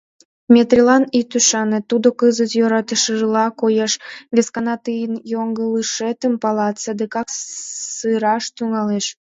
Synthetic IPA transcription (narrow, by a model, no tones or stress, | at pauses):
mʲet̪ɾʲilɑnit̪yʃɑnet̪ːud̪okəzət̪joɾɑt̪əʃəʒəlɑkojɑʃβeskɑnɑt̪ɨjənjoŋɡəlɨʃet̪əmpɑlɑt̪səd̪ekɑksɨɾɑʃt̪yŋɑleʃ